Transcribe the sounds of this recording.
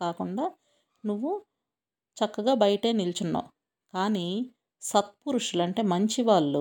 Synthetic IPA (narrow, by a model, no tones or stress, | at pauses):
kaːkuɳɖaː | nuʋːu | t͡ʃɐkːɐɡaːbɐjɐʈeːnilt͡ʃunːa̰ː | kaːniː | sɐt̪̚puɾuʂulɐɳʈe̞ːmɐɲt͡ʃiʋaːɭːu